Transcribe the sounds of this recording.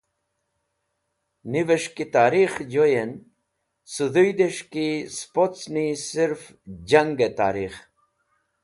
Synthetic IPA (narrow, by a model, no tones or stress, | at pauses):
niʋeʃkit̪aːɾixd͡ʑojen | suðujd̪eʃkispott͡snisiɾf | d͡ʑɐŋɡet̪a̰ːɾix